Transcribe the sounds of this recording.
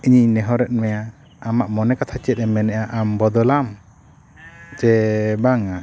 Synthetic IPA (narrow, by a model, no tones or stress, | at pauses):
iɲinɛɦɔɾɛt̪̚mɛja | amaʔmɔnɛkat̪ʰat͡ʃɛt̪̚ɛmɛnɛʔaʔambɔd̪ɔlam | t͡ʃɛbaŋa